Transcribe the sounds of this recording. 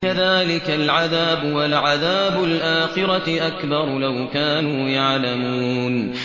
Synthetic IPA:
aðaːlɪkalʕaðaːbʊwalʕaðaːbʊlʔaːxɪɾaʔakbɑɾˤlawkaːnuːjaʕlamuːn

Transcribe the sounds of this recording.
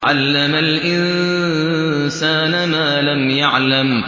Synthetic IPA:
ʕalːamalʔɪn | saːnamaːlamjaʕlam

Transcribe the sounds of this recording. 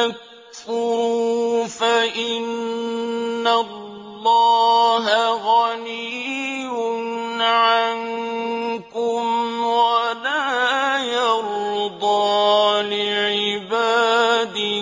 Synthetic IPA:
ak | fʊɾuːfaʔɪnː | alː | ɑːɦaɣaniːwʊnʕan | kʊmwalaːjɑɾd̪ˤɑːlɪʕɪbaːd̪ɪ

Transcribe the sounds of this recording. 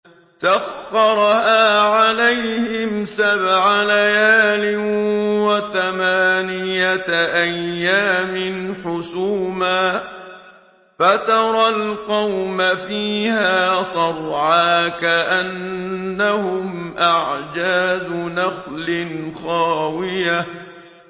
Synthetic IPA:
t̪aɣɑɾˤhaːʕalajhɪmsabʕalajaːlɪnwaθamaːnɪjataʔajːaːmɪnħʊsuːmaː | fat̪ɑɾˤɑlqɑwmafiːhaːsˤɑɾˤʕaːkaʔanːahʊmʔaʕd͡ʒaːdʊnɑqlɪnxɑːwɪja

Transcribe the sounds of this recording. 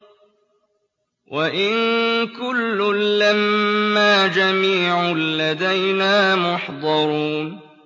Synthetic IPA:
wʔaʔɪnkʊlːʊːamːaːd͡ʒamiːʕʊlːad̪ajnaːmʊħd̪ˤɑɾuːn

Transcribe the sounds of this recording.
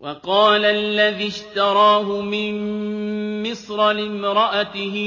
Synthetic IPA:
wʔɑqɑːlalːaðiʃt̪ɑɾˤɑːɦʊmɪnː | ɪsɾˤɑlɪmɾˤɑʔat̪ɪhɪ

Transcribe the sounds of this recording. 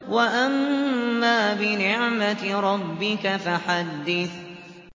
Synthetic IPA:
waʔamːaːbɪnɪʕmat̪ɾˤɑbːɪkafaħad̪ːɪθ

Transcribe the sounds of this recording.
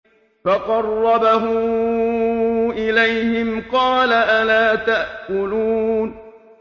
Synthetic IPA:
fɑqɑrˤːɑbaɦʊ | ʔɪlajhɪmqɑːlaʔalaːt̪aʔkʊluːn

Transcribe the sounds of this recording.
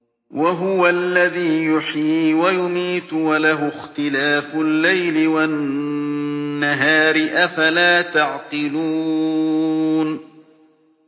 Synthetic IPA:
wʔaɦʊwalːaðiːjʊħiːwajʊmiːt̪walaɦʊxt̪ɪlaːfʊlːajlɪwan | aɦaːɾɪʔafalaːt̪aʕqɨluː | n

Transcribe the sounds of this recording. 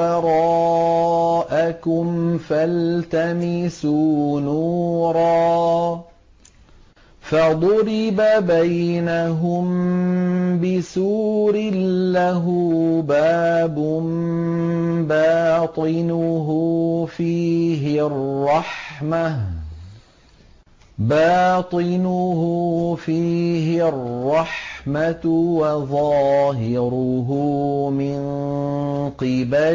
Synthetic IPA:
ɑɾˤɑː | ʔakʊmfalt̪amɪsuːnuːɾˤɑː | fad̪ˤʊɾɪbabajnaɦʊm | bɪsuːɾɪlːaɦubɑːbʊm | baːt̪ˤɨnʊɦʊfiːɦɪrːɑħma | bɑːt̪ˤɨnʊhʊfiːɦɪrːɑħmatwɑðˤɑːɦɪɾʊɦʊmɪn | qɨba

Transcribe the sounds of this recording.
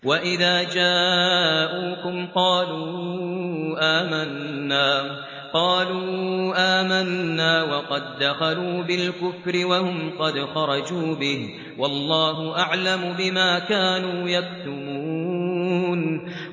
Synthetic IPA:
waʔɪðaːd͡ʒaːʔuːkʊmqɑːluː | ʔaːmanːaː | qɑːluːʔaːmanːaːwɑqɑd̪ːaxɑluːbɪlkʊfɾɪwahʊmqɑd̪xɑɾˤɑd͡ʒuːbɪh | wɑlˤːɑːɦʊʔaʕlamʊbɪmaːkaːnuːjakt̪ʊmuːuːn

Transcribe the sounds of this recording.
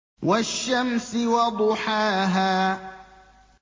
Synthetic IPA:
waʃːamsɪwɑd̪ˤʊħaːɦaː

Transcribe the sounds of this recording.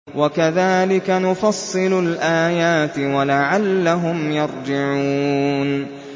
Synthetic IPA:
wakaðaːlɪkanʊfɑsˤːɨlʊlʔaːjaːt̪ɪwalaʕalːaɦʊmjɑɾˤd͡ʒɪʕuːn

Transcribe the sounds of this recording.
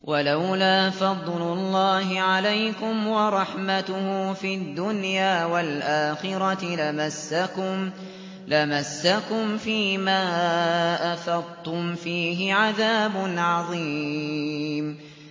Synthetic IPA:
wʔalawlaːfɑd̪ˤlʊlˤːɑːɦɪʕalajkʊmwɑɾˤɑħmat̪ʊhʊfiːd̪ːʊnjaːwalʔaːxɪɾˤɑt̪lamasːaʊm | lamasːakʊmfiːmaːʔaθɑd̪ˤt̪ʊmfiːɦɪʕaðaːbʊnʕɑðˤiː | m

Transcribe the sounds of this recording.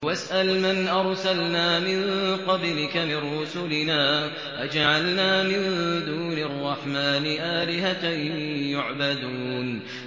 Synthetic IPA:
wasʔalmanʔɑɾˤsalnaːmɪnqɑblɪkamɪnɾʊsʊlɪnaː | wad͡ʒaʕalnaːmɪnd̪uːnɑrˤːɑħmaːnɪʔaːlɪɦat̪jʊʕbad̪uːn

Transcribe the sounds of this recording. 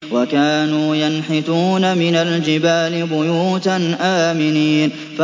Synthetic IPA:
wakaːnuːjanħɪt̪uːnamɪnald͡ʒɪbaːlɪbʊjuːt̪anʔaːmɪniːn | fa

